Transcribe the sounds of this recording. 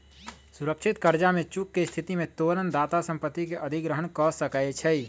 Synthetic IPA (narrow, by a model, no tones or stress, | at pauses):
suɾəkʃʰit̪kəɾd͡ʒamẽt͡ʃukːest̪ʰit̪imẽt̪oɾənd̪aːt̪asə̃mpət̪ːikeʔəd̪ʱiɡɾəɦənkɔsəkajt͡ʃʰɛi